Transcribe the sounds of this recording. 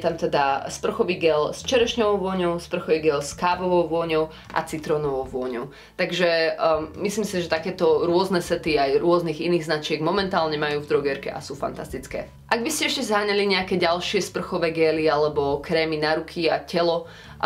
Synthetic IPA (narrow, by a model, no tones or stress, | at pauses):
t̪amt̪ɛd̪aspr̩xɔʋiːɡɛlst͡ʃɛɾɛʃɲɔʋɔʊʋʊɔɲɔʊspr̩xɔʋiːɡɛlskaːbɔʋɔʊʋʊɔɲɔʊ | ʔa̰t͡sit̪ɾɔnɔʋɔʊʋʊɔɲɔʊ | t̪aɡʒɛmisliːmsiʒɛt̪akɛːt̪ɔɾʊɔznɛsɛt̪iajɾʊɔzniːɣiniːɣznat͡ʃɪɛɡmɔmɛnt̪aːlɲɛmajuːvd̪ɾɔɡɛɾkɛ̰ʔa̰suːfa̰nt̪ast̪it͡skɛ̰ː | ʔaɡ̚biscɛɛʃcɛzɦaːɲaliɲɛakɛːɟalʃɪɛspr̩xɔʋɛːɡɛːlialɛbɔkɾɛːminaɾukʰiacɛlɔ